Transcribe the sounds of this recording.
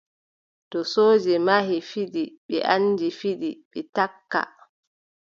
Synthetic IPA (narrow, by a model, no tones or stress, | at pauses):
tɔsoːd͡ʒɛmaɦifiɗiɓɛ̰ʔanːd͡ʒifiɗiɓɛtakːa̰